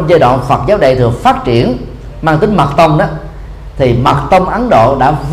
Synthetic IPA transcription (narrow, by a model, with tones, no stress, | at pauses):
wŋ͡mzaː˧jɗwa̰ː˧˨nxwə˨˩t̚zaː˨˦wɗḛ˧˨jt̪ʰɨ˨˩əfaː˦˥t̚t͡ɕi˧˩˨ən | maː˧ŋt̪ï˨˦ŋma˨˩t̚t̪ə˧wŋ͡mɗaː˨˦˥ | t̪ʰi˨˩ma˨˩t̚t̪ə˧wŋ͡mʔə˨˦nɗo̰˧˨ɗa̰ː˧˥v